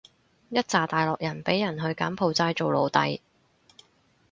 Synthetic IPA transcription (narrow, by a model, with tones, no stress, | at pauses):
jɐ˥t̚t͡saː˨t̪aː˨jlɔː˨k̚jɐ˨˩npe˨˥jɐ˨˩nɦɵ˧ɥkaː˨˥npʰo˧wt͡sɐ˧jt͡so˨wlo˨˧wt̪ɐ̰˨˧j